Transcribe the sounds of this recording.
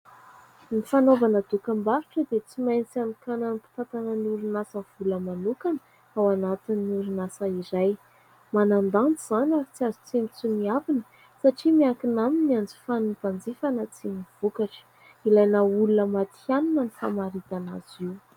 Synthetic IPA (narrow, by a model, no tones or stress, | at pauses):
nifanovanəd̪ukambaɾiʈ͡ʂəd̪et͡simajnit͡sianukananipi̥t̪at̪anəniuɾinasəv̥uləmanukanə | awanat̪inːiuɾunasəiɾaj | manand̪ant͡suz̥anʲaɾit͡siazi̥t͡semit͡sumiavinə | saʈ͡ʂimiakinaminiand͡zi̥fanub̥and͡zifanət͡siniv̥ukaʈ͡ʂə̥ | ilajnəulunəmat̪ianunənifa̰maɾit̪ana̰ziw